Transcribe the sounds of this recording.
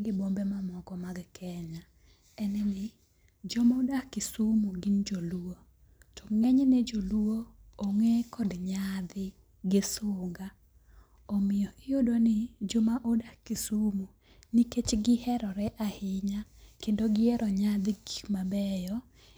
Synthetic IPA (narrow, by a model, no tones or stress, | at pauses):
ɡɪbombɛmamɔkɔmaɡkʰɛɲa | ɛnɛnɪ | d͡ʒɔmaodakkɪsumoɡind͡ʒoluo | tɔŋɛɲnɛd͡ʒoluoːŋɛkɔdɲad̪ɪ | ɡɪsʊŋɡa | omɪjɔʔɪjodonɪd͡ʒomaʔodakkːɪsumu | niket͡ʃɡɪhɛɾɔɾɛʔahɪɲakendoɡɪɛɾɔɲad̪ɪɡikmabɛjɔ